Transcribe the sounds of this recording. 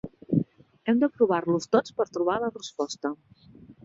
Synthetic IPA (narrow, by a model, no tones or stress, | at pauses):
ɛmd̪əpɾuβ̞aɾlust̪ot͡spəɾt̪ɾuβ̞alərəspɔst̪ə